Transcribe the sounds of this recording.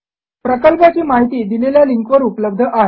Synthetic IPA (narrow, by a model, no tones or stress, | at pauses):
pɾəkəlpat͡ɕiːmaɦit̪iːd̪ileljaliŋkʋəɾupləb̚d̪ʱəʔaɦe